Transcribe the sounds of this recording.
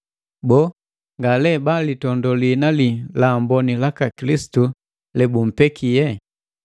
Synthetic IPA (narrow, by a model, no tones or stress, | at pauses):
bɔ | ŋɡalɛbalitɔndɔlinalilambɔnilakakilisi̥tu | lɛbum̩pɛkʰijɛ